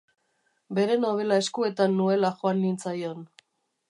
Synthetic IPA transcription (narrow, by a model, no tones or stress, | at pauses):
be̞ɾe̞no̞β̞e̞lae̞skue̞t̪anːue̞laʝoanːint͡sajo̞n